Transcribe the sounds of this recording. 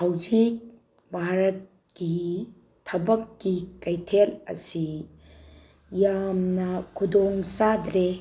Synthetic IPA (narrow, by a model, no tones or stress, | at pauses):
hawd͡ʒik̚ | bʱaɾɐt̚ | ɡi | tʰɐbɐkːikɐjtʰelɐ̰si | jamnɐkʰudoŋsadɾe